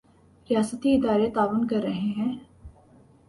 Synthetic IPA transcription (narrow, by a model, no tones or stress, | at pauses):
ɾijaːsət̪iɪd̪aːɾet̪aːʋənkɐɾːɐɦeɦɛ̃ː